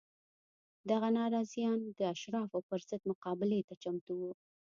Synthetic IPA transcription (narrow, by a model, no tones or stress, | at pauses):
d̪aɣanɑɾɑzjɑnd̪əaʃɾɑfapəɾzəd̪mʊqɑbɪlet̪at͡ʃamt̪uwu